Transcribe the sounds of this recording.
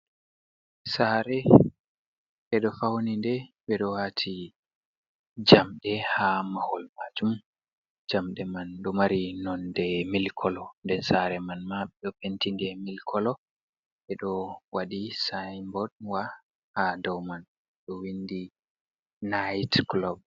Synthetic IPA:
saɾɛ | ɓɛɗɔfawnindɛɓɛɗɔwatʰi | d͡ʒamɗɛhamahɔlmad͡ʒum | d͡ʒamɗɛmanɗɔmaɾinɔndɛmilkʰɔlɔndɛnsaɾɛmanmaɓɛɗɔpentindɛmilkʰɔlɔ | ɓɛɗɔwaɗisajmbɔɗwa | hadɔwman | ɗɔwindi | najtklɔb̚

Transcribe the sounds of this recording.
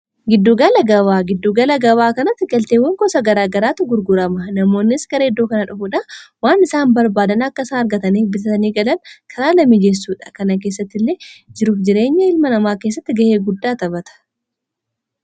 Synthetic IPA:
ɡɪd̪ːoɡɐlɐɡɐβaːɡɪd̪ːoɡɐlɐɡɐbaːkɐnɐt̪ːɪɡɐlt̪eːwːɐŋkɔsɐɡɐɾaːɡɐɾaːt̪ʊɡʊɾɡʊɾɐmɐnɐmo̞ːnːɪsɡɐɾeːd̪ːoːkɐnɐᶑʊfuːᶑɐwaːnɪsaːmbɐɾbaːd̪ɐnɐkːɐɪsaːnɐɾɡɐt̪ɐniːfbɪsɐt̪ɐniːɡɐlɐnkʰɐɾaːlɐmid͡ʒɛs̬ːuːᶑɐ̥kɐnɐk̬eːs̬ːɐt̪ːɪlːeːd͡ʒɪɾuːfd͡ʒɪɾe̞ːɲːɐɪlmɐnɐmaːke̞ːs̬ːɐt̪ːɪɡɐheːɡʊd̪ːaːt̪ɐbɐt̪ɐ̥

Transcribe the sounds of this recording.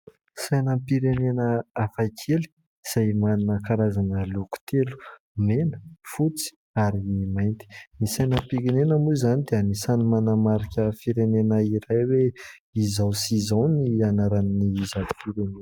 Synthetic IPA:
sajnəpiɾenenəafajkʰeli̥ | z̥ajmaninəkaɾazanəluku̥t̪ʰelu̥ | menə̥fut͡si̥ | aɾimajnt̪i̥nisajnəpiɾenenəmuizanid̪eənisanimanəmaɾikʲəfiɾenenəiɾajwe | izawsizawnianaɾanniizai̥fuɾuni

